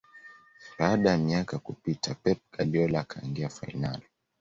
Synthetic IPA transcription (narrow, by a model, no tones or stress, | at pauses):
ɓaːɗajamiakakupitʰapɛp̚ɡaɗiɔlaːkʰaḭŋɡiafa̰inali